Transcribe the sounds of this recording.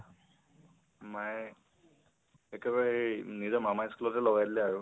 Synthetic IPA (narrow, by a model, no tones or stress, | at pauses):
maj | ɛkɛbaɹɛnizɔɹmamajskulɔtɛlɔɡajdilɛaɹu